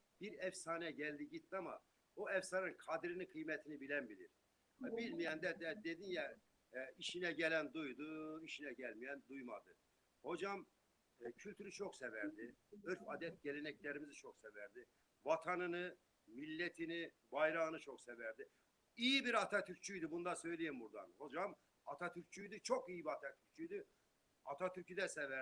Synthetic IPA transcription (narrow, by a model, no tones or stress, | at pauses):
b̥iɾɛfsaːnɛɟælʲd̪iɟit̪̚ːiama̰ | oɛfsaninkʰad̪ɾinikʰɯjmɛt̪ʰinibilænbilʲḭɾ | bilʲmijɛnd̪æd̪ɛd̪ed̪injɛ | iʃinɛɟɛlænd̪ujd̪uiʃinɛɟælʲmijænd̪ujma̰d̪ɯ | ho̞d͡ʒam | cʰylʲt̪ʰyɾyt͡ʃʰo̞ksɛvæɾd̪iɯɾfad̪ɛt̪̚ɟɛlʲenɛclʲeɾimizit͡ʃʰo̞ksɛvæɾd̪ɪ | vat̪ʰanɯnɯ | milʲːet̪ʰini | bajɾaɣɯnɯt͡ʃʰo̞ksevæɾd̪i | ijibiɾat̪ʰat̪ʰyɾt͡ʃʰyjd̪ibund̪asø̞jlʲejimbuɾd̪a̰nho̞d͡ʒam | at̪ʰat̪ʰyɾt͡ʃʰyjd̪it͡ʃʰo̞kijibiat̪ʰat̪ʰy̥ɾt͡ʃʰyjd̪i | at̪ʰat̪ʰyɾcʰyd̪ɛsɛvæ